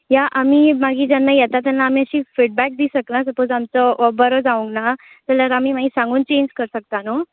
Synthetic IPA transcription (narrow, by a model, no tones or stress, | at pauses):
jaʔamiːmaɡiːd͡ʑanːajɛt̪at̪̬ɛnːaːmiːəɕiːfiʈ̚bæk̚d̪isəknasəpod͡zamt͡sɔʋəbəɾəd͡zaʋũŋkna | t̪ələɾamiːmaɡisãŋɡuːnt͡ɕeɲd͡ʑkəɾsək̚t̪ano